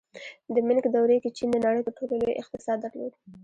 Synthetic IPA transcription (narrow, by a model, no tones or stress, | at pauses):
d̪əmɪlkd̪awɾeket͡ʃind̪ənaɽəjp̪əɾʈʰololojʔɪqt̪ɪsɑd̪̚ːəɾlo̰d̪